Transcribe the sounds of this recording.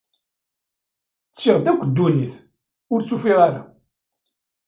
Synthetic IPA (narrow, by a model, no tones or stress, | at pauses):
t͡sːiʁd̪ækʷːd̪ːuniθ | ʊɾt͡sːufiʁaɾa̰